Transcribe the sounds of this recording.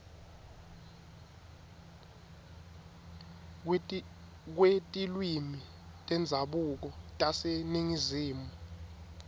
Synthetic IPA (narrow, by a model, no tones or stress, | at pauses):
k̬wetʼilwimi | tʼɛnd͡zʱaɓuk̬ɔtʼaseniŋiziːmu